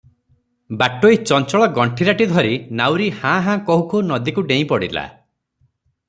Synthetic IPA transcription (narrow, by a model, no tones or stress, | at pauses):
baʈoit͡ʃɔnt͡ʃɔɭɔɡɔɳʈʰiɾaʈid̪ʱɔɾinawɾihãɦãkɔɦukunɔd̪ikuɖej̃pɔɽila̰